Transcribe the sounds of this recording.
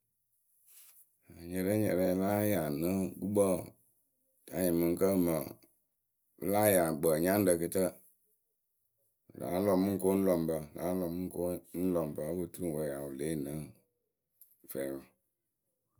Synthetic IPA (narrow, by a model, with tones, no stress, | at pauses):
a˨ɲɛ˨ɾə˦ɲɛ̰˨ɾɛ˨˦la˦ja˨nə˦ɡu˦ɡ͡bə˦˨ | ta˨˦ɲə˨mɨ˨ŋ̩˦kə˦˨mə˨ | ə̰˦la˦ja˨ɡ͡bə˨ɲã˦n˦də˨kɨ˨tə˦˨ | la̰˨˦lɔ˨mu˦ŋ̩˦ko˦n̩˦lɔ˨m˨bə˨la̰˨˦lɔ˨mɨ˦ŋ̩˦ko˦n̩˦lɔ˨m˨bə˨˦bə˨tu˦u˦˨wə˨ja˨wu˨le˦˨nə˨˦˨ | fɛ˨wɔ˨